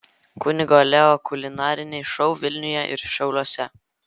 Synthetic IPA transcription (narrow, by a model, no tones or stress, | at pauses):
kʊnʲɪɡɔlʲɛɔkʊlʲɪnɑːɾʲɪnʲɛɪʃɔʊʋʲɪlʲnʲʊjɛʔɪ̰ɾʃɐʊlʲˠuɔsʲɛ